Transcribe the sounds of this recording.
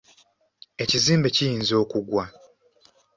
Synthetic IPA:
e̞ciziːmbe̞cijiːnzo̞ːkuɡwa

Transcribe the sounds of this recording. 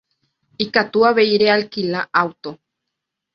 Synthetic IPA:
ikat̪uaβeiɾealkilaʔawt̪o

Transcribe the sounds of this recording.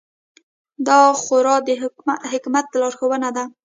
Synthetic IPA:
d̪ɑxʊɾɑd̪əɦɪkmat̪ːlɑɾxowənad̪a

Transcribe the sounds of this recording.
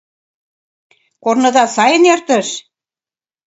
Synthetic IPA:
kornɤ̆d̪ɑsɑjə̆nert̪ə̆ʃ

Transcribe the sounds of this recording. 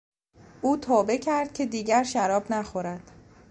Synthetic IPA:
ʔuːt̪ʰɒːbe̞cʰæɾd̪̥̚cʰe̞d̪iːɟæɾʃæɾɒːbnæxoɾæd̪̥

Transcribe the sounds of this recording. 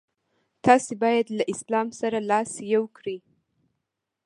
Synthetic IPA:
t̪ɑsebɑjad̪laʔɪslɑmsaɾalɑsjawkɽi

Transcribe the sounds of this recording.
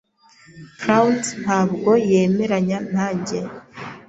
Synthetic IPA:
fɾawtn̥haːbɡo̞je̞ːme̞ɾaɲan̥haːɲɟe

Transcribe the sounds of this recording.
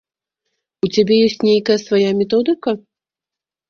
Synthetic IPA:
ut͡sʲabʲɛjɔsʲt͡sʲnʲejkɐjɐsvajamʲɛt̪ɔd̪ɨkɐ

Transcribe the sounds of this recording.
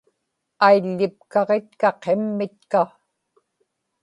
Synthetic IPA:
ajʎːɪp̚kɑʁe̞t̪̚kɑqʰemːɪt̪̚ka

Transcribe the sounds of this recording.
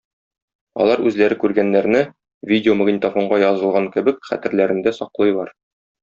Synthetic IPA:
ɒ̰lˠɑɾʉzlæɾɘkʉɾɡænːæɾnɘ | vʲidʲɪomɐɡnʲɪt̪afoɴɢɑjɒzɤ̆lˠʁɑŋkɘ̆bɘkχæ̰t̪ɘ̆ɾlæɾɘ̆nd̪æsɒqlˠɤjlˠɑɾ

